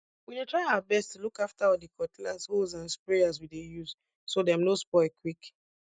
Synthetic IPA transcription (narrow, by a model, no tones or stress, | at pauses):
winetʰɹaɪaʊabɛstulukaftaɔdikʰɔtilazhozãnspɹeazwidejuz | sodɛmnospɔɪlkʰwik